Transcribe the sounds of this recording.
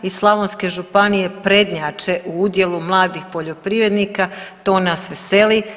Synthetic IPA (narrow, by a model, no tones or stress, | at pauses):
islˠaʋonske̞ʒupanije̞pɾe̞d̪ɲat͡ʃe̞ʔuud̪je̞lumlˠaːd̪ixpo̞ʎo̞pɾiʋɾe̞d̪niːkat̪o̞ːnasʋese̞li